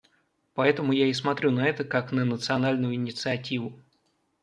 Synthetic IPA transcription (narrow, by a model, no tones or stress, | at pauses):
pɐɛt̪əmʊjaɪs̬mɐt̪ɾʲunɐɛt̪əkaknənət̪sɨɐnalʲnʊjʊɪnʲɪt̪sɨɐtʲivʊ